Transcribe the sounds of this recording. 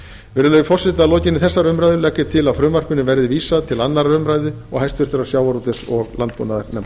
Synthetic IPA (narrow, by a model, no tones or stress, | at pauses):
vɛːɾʏlœːjʏfɔr̥sɪt̪alɔːcɪnːɪθɛsːaɾʏmɾajðʏlɛːkːɪt̪ʰɪlaðfɾʏːmar̥kʏnɪvɛɾðɪviːsaðt̪ʰɪlanːaɾaɾʏmɾajðʏ | ɔɣhajst̪vʏɾ̥t̪ʏɾaɾsjaːwvaɾɔt̪ɪsɔɣlant̪̚pṵnaðaɾnɛm